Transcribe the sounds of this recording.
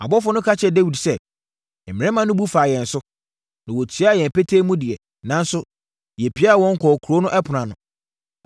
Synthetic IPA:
a˨bɔ˦fʊ˦nʊ̃˦kʰa˦t͡ɕʰɛ˨de˦wi˨dsɛ˦˨ | mɪ̃˨ɛ̃˦mã˨nʊ̃˦bu˦faː˨jɛ̃˨n̩˨sʊ˦ | nã˨wɔ˨tʰi˨˦a˦˨jɛ̃˨m˨pe˦tʰe˦mũ˦dɪ˨ɛ˨ | nã˦n˦sʊ˦ | jɛ˨pʰi˦a˦a˨wɔ̃˦ŋ̩˦kʰɔː˨kʰu˨ɾo˦nʊ̃˦ʔɛ˦pʰʊ˨nã˨nʊ̃˨

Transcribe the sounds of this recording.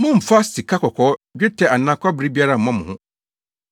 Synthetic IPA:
mʊ̃˦m̩˨fa˦si˨kʰa˦kʰɔ˨kʰɔː˨˦d͡ʑᶣɪ˦tʰɛ˨a˨nːã˨˦kʰɔ˦bɪ˨ɾi˦bi˦a˦ɾa˦m̩˨mã˦mʊ̃˨hʊ̃˦

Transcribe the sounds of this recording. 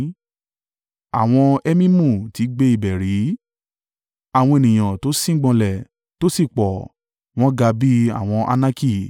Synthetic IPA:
a˨w̃ɔ̃˧ɛ˦mĩ˦mũ˦˨ti˨˦ɡ͡be˧i˦˨bɛ˨ɾi˨˦ | a˨w̃ɔ̃˧e˨nĩ˨j̃ã˨to˨˦sĩ˦ɡ͡bɔ̃˧lɛ˨ | to˦si˦˨k͡pɔ˨ | w̃ɔ̃˦ɡa˧bi˦a̰˨w̃ɔ̃˧ʔa̰˧nã˦ki˦˨

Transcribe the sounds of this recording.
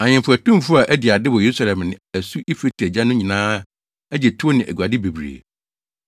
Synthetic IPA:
ã˨ɲɪ̃˨mfʊ˨æ˨tũ˦m˨fʊ˦a˨ʔæ˦di˨a˨dɪ˦wɔ˨je˨u˦sa˨lɛ̃˨mnɪ̃˨æ˨su˦ʔi˦fe˦tʰi˨æ˨d͡ʑã˦nʊ̃˦ɲĩ˨nãː˦ | æ˦d͡ʑɛ˨tʰʊ˦o˦nɪ̃˨ʔæ̰˨ɡa˨dɪ˦be˨bɾḛ˨

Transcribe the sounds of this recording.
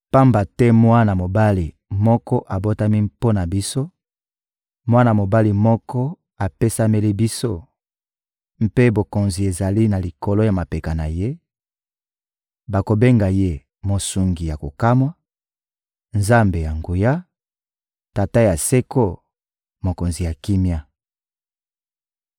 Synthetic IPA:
pa˦mba˨tɛ˦mwa˦na˨mo˨ba˦li˨ | mɔ˦kɔ˦ʔa˨bo˦ta˦mi˦po˦na˨bi˦so˦ | mwa˦na˨mo˨ba˦li˨mɔ˦kɔ˦ | a˨pe˦sa˦me˦li˦bi˦so˦ | m̩˦pe˦bo˨ko˨nzi˨e˨za˨li˦na˨li˨ko˨lo˦ja˨ma˨pe˨ka˨na˨je˦ | ba˨ko˨be˦ŋɡa˨je˦ | mo˨su˨ŋɡi˨ja˨ko˨ka˦mwa˦ | nza˦mbe˨ja˨ŋɡu˨ja˦ | ta˨ta˦ja˨se˦ko˦˨ | mo˨ko˨nzi˨ja˨ki˦mja˦

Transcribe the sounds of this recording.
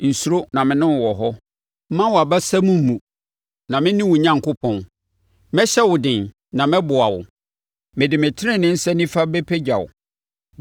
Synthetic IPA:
n̩˨su˦ɾo˦nã˨mɪ̃˨˦nɪ̃˦˨wɔ˨ɦɔ˦ | mã˦wa˨ba˦sɛ˦mũ˦m̩˦mũ˨ | nã˨mɪ̃˦nɪ̃˦wʊ̃˨ɲã˦ŋ˨kʊ˦pʰɔ̃˨n | mɛ˦ɕɛ˦wʊ˨dɪ̃˨n | nã˨mɛ̃˦bʊ˨a˨wʊ̰˨ | mɪ̃˨dɪ˨mɪ̃˨tʰɪ˦ɾɪ̃˦nɪ̃˦n̩˦sɛ˦nĩ˦fa˦be˦pʰe˦d͡ʑᶣa˨wʊ̰˨

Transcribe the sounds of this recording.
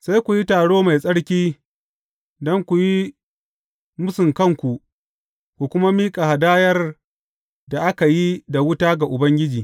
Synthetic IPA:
sa˦jkʷu˨ji˦taː˨ɽoː˦ma˨jsʼɐ˦ɽkʲiː˦ | dɔ˦ŋkʷu˨ji˦ | mʊ˦sɪ˨ŋkɐ˦˨ŋkʷu˨ʔ | kʷu˨kʷʊ˦ma˦miː˦kʼa˨ha˨daː˦jɐ˦r | da˨ʔa˦ka˨ji˦da˨wʊ˦taː˦ɡa˨ʔʊ˨bɐ˦ŋɡʲɪ˦d͡ʒiː˨

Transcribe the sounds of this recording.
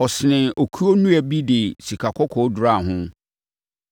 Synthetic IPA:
ɔ˨sɪ˨nɪ̃˨o˨kʰu˦o˦nũ˦æ˨bi˦dɪ˨si˨kʰa˨kʰɔ˦kʰɔ˨˦dʊ˨ɾa˦˨ɦʊ̃˦

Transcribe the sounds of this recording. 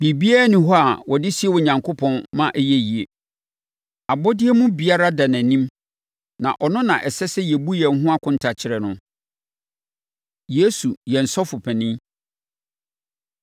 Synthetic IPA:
bi˨bi˦a˦nɪ̃˨˦ɦɔ˦a˨wɔ˨dɪ˦si˦e˦wɔ˨ɲã˨ŋkʰo˦pʰɔ̃˦nmã˦ʔɛ˦jɛ˦ji˨e˨ | a˨bɔ˦dɪ˦ɛ˦mʊ̃˦bi˨a˦ɾa˦da˨næ̃˨nĩ˦m | nã̰˨ʔɔ˨nʊ̃˦nã˨ʔɛ˨sɛ˦sɛ˦jɛ˨bu˦jɛ˨n˦ɦʊ̃˦a˦kʰʊ̃˦n̩˦tʰa˨t͡ɕʰɪ˦ɾɛ˨nʊ̃˦ | je˦su˨jɛ˨n̩˨sɔ˦fʊ˨pʰɛ˨nɪ̃˦

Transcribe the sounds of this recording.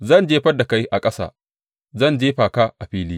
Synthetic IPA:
zɐ˦˨nd͡ʒeː˦ɸɐ˦da˨ka˦jʔa˨kʼɐ˦sa̰ː˦˨ | zɐ˦˨nd͡ʒeː˦ɸaː˨kaː˦ʔa˨ɸiː˦liː˦

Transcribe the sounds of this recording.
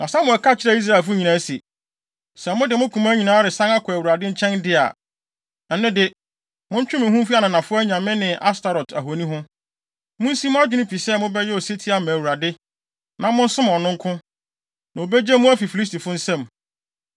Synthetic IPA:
nã˨sã˦mʊ̃˨ɛ˨kʰa˦˨t͡ɕʰɪ˦ɾɛ˦i˦s̬ɾa˦˨e˨lf̬ʊ˦ɲĩ˨nã˨˦si˨ | sɛ˨mʊ̃˦dɪ˨mʊ̃˦kʰũ˨mã˦ɲĩ˨nãː˨˦ɾɪ˨sã˦na˦kʰʊ˨æ˨wu˨ɾa˨dɪ̃˦ɲ̩˦t͡ɕʰɛ̃˦ndɪ˦a̰˨ | nã˨n˦ɪ̃˦dɪ˨ | mʊ̃˦ɲ̩˦t͡ɕᶣʊ˦mɪ̃˨ɦũ˦fi˦a˦nʊ̃˨nã˨fʊ˦ɲã˨mɪ̃˦nɪ̃˨ʔa˦sta˨ɾɔ˨ta˨ɦo˨nĩ˦ɦʊ̃˦ | mʊ̃˦n̩˦sĩ˦mʊ̃˦a˦d͡ʑᶣɪ˦nʊ̃˦pʰi˨sɛ˦˨mʊ̃˦bɛ˦jɛ˦ɔ˨se˦tʰi˦a˨mæ̃˨wu˨ɾa˨dɪ˦ | nã˨mʊ̃˦n̩˦sʊ̃˦m˨ɔ˨nʊ̃˦ŋ˦kʰʊ̃˦ | nã˨o˨be˦d͡ʑɛ˦mũ˦æ˦fi˨fi˨li˦sti˨fʊ˦n̩˦sɛ̃˦m

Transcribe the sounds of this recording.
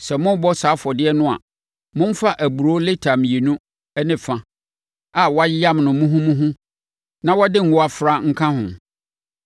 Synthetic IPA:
sɛ˨mʊ̃˦bɔ˦saː˨˦fɔ˨dɪ˦ɛ˦nʊ̃˦a̰˨ | mʊ̃˦m̩˦fa˦ʔæ˨bu˨ɾo˦le˦tʰã˨m˨je˨nũ˦ | ɛ˦nɪ̃˨fã˨ | a˨wɔ˦a˦jja˦mnʊ̃˨mũ˦ɦũ˦mũ˦ɦũ˦ | nã˨˦wɔ˦dɪ˦ŋ̩˨ɡɔ˦a˨fɾa˦ŋ̩˦kʰã˦hʊ̰̃˨

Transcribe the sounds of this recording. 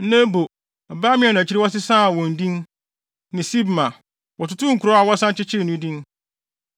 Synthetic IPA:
nɛ̃˦bo˨ | ba˦mɪ̃˦ɛ˨nã˨t͡ɕʰi˦ɾi˦wɔ˦s̬ɪ˦sã˦˨wɔ̃˨n̩˨dĩ˦n | nɪ̃˨si˦bmã˨ | wɔ˨tʊ˦tʰʊ̃˦ŋ̩˨kʰu˨ɾɔ˦a˨wɔ˦sã˦n˦t͡ɕɪ˦t͡ɕʰɪ˦˨nũ˦dĩ˦n

